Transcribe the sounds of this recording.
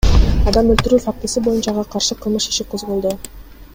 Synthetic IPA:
ɑd̪ɑmølt̪yɾyːfak̚t̪ɨsibo̞junt͡ʃɑʁɑqʰɑɾʃɯqʰɯlˠmuʃi̥ʃiqʰozʁolˠd̪o

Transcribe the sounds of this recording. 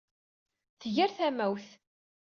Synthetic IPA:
θəʝæɾθæmæwθ

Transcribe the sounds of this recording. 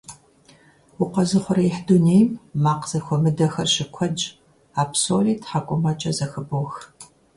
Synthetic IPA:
wʊqɐzɨχʷʊɾɐiħdunejmːaːqz̥ɐxʷɔmɨdɐxɐrɕɪkʷʰɔd͡ʒʼ | aːpsoːliːtʰħaːkʷʼʊmɐt͡ʃʼɐzɐxɨboːx

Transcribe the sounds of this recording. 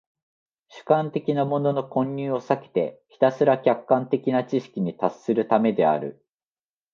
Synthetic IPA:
ɕɨ̥kãnt̪e̞kʲinamo̞no̞no̞kõ̞ɲːʲɨːo̞sake̥t̪e̞̰çi̥t̪asɨɾakʲakːãnt̪e̞kʲinat͡ɕiɕi̥kʲiɲ̟it̪asːɨɾɯ̟t̪ame̞d̪e̞a̰ɾɯ̟

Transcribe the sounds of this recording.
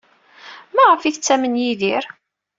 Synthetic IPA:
mæʁəfiθət͡sːæmənjiðiɾ

